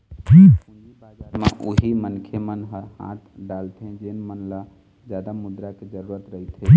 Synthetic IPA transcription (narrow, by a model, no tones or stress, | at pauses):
ũnd̪ibaaɾmeʔuɦimənkʰemənɦəɾhã̰t̪ʰɖalt̪ʰẽd͡ʒenmənla | d͡ʒad̪amud̪ɾaked͡ʒəɾuɾət̪ɾəɦit̪ʰɦe